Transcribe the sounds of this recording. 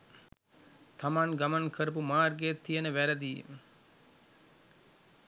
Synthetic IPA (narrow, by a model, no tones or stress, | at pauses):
t̪ʰamaŋɡamankʰəɾəp̬umaːrɡejet̪ːijənəʋæɾəd̪iːmə